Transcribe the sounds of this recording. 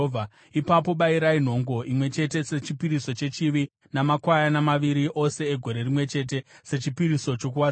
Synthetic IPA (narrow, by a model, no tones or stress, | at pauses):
vʱa | ipapo̞ɓaiɾain̤o̞ŋɡo̞ʔimwe̞t͡ʃe̞te̞se̞t͡ʃipiɾiso̞t͡ʃet͡ʃiʋi | namakwajanamaʋiɾiʔo̞se̞eɡʱo̞ɾe̞rimwe̞t͡ʃe̞t̬e̞se̞t͡ʃipiɾiso̞t͡ʃo̞k̬uwa